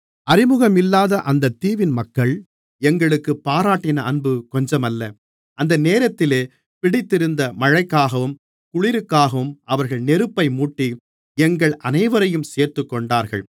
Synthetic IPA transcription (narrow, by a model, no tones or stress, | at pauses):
ɐɾɪmɯɣɐmɪlːaːðɐʔɐnd̪ɐt̪ːiːʋɪnmɐkːɐɭ | ɛŋɡɐɭɯkːɯpːaːɾaːʈːɪnɐʔɐnbɯkɔɲd͡ʒɐmɐlːɐ | ʔɐnd̪ɐneːɾɐt̪ːɪleː | pɪɽɪt̪ːɪɾɯnd̪ɐmɐɻɐɪkːaːɣɐʋɯm | kʊɭɪɾɯkːaːɣɐʋɯmɐʋɐɾɣɐɭnɛɾɯpːɐɪmuːʈːi | ɛŋɡɐɭɐnɐɪʋɐɾɐjɯmseːɾt̪ɯkːɔɳɖaːɾɣɐ̰ɭ